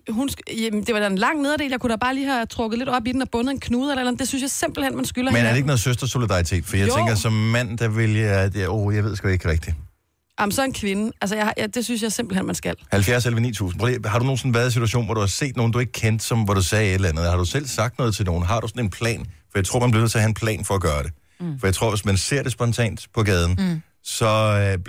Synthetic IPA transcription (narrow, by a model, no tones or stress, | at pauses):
ɦund̥e̝ʋɑ̈d̥æenlɑ̈ŋ̰ne̝ð̞ˠɐɾe̝̰ːljaɪkʰuɾ̥æb̥ɑ̈ːliːhæt͡sʰʁɔ̽ɡ̥ð̩ˠled̥ɒ̽b̥id̥en̩ɒb̥ɔ̽nð̩ˠenkʰnuːð̞̩ˠelɐelɐmd̥e̝synsjɑ̈ɪse̝m̰b̥l̩hen̰mænsɡ̥ylɐmenæɐɾeeɡ̥ənːð̩ˠsøsd̥ʁɐso̝lid̥ɑ̈it͡sʰe̝̰ːd̥fɒdḭjat͡seŋɡɐsɒ̽mːæn̰d̥æʋe̝ljɑdojɑ̈ɪʋeð̰ˠsɡ̥ɛeɡ̥ʁɛɡ̥̚d̥i | jɑmn̩sɒ̽e̝nkʰʋe̝nəʔælsəɐjɑ̈jad̥e̝syns̬jɑɪsemb̥l̩henmænsɡ̥ælhælfjæɐselɐʋenḭːt͡sʰṵːsn̩pʰʁɒlihɑ̈ɾuno̝ːnsɔ̽n̩ʋæɐðˠs̬it͡sʰuæɕo̰ːnʋɒɐɾ̥uhɑ̈se̝̰ːd̥no̝ːn̩d̥ue̝ɡ̥əkʰen̰d̥sɒ̽mʋæɾ̥usɛːeɾ̥lɐænð̞̩ˠhɑ̈ɾ̥usel̰sɑ̈ɡ̥̚d̥nɔ̽ð̞ˠt͡sʰe̝lno̝ːn̩ɦɑ̈ɾ̥usɒ̽ne̝npʰlɛ̰ːnfɒjɪt͡sʰʁo̝ɐ̰ænb̥liʋnḛt͡sʰeɐhæenpʰlɛ̰ːnfɒ̽ɒɡ̥ɶːɐɾ̥e̝ | fɒjaɪt͡sʰo̝ɐ̰ʋe̝smænse̝ɐ̰d̥e̝sb̥ɒ̽nt͡sʰɛ̰ːnd̥pʰɒ̽ɡɛːð̞ˠn̩ | sɒ̽